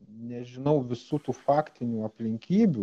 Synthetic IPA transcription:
nʲɛʒʲɪnɐʊʋʲɪsuːt̪uːfɑːkt̪ʲɪnʲuːɐpʲlʲɪŋʲkʲiːbʲu

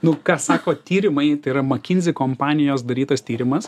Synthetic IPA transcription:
nʊkɑːsɑːkoːt̪ʲiːɾʲɪmɐɪt̪ɐɪɾɐmɐkʲɪnʲzʲɪkoːmpɑːnʲɪjoːsd̪ɐɾʲiːt̪ɐst̪ʲiːɾʲɪmɐs

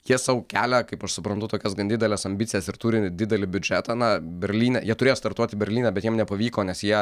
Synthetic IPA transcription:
jiɛsɑʊʊkʲæːlʲækɐɪpɐʃsʊpɾɐnt̪ʊt̪oːkʲɛsɡɐnd̪ʲɪd̪ʲɛlʲɛːsɐmʲbʲɪt̪sʲɪjɛsɪrt̪uːɾʲɪd̪ʲɪd̪ʲɛlʲɪbʲʊd͡ʒʲæːt̪ɑːnɐbʲɛɾʲlʲiːnʲɛjiɛt̪ʊɾʲeːjost̪ɐrt̪uɔt̪ʲɪbʲɛɾʲlʲiːnʲɛːbʲɛt̪jiɛmnʲɛpɐʋʲiːkoːnʲɛsjiɛ

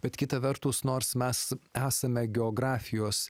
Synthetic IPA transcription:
bʲɛt̪kʲɪt̪ɐʋʲɛɾt̪usnoːɾsmʲɛsæːsɐmʲɛɡʲɛɔɡɾɑːfʲɪjoːs

